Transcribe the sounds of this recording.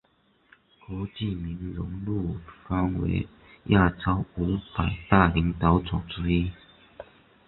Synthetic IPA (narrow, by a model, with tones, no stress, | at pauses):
kwɔ˧˥˦t͡ɕi˥˨mi˧˥nɻʊ˧˥ŋlu˥˩fa˥nwḛ˧˥ɪ | jʔa˥˩t͡sɑ˥ʊu˧˥pa˨˩ɪt̪a˥˩li˧˥ŋt̪ɑ˨˦ʊt͡sʊ˨˩ŋt͡su˨˩i˦˥